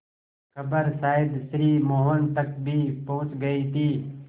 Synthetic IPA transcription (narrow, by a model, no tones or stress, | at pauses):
kʰɐbəɾsaːɪd̪sɾiːmoːɦʋənt̪ək̚bʱipoɦʊ̃t͡ʃɡəit̪ʰiː